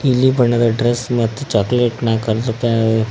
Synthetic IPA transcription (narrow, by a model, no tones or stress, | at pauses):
ilibəɳad̪aɖɾesmət̪ːt͡ɕɔkleʈnakəɾt̪opa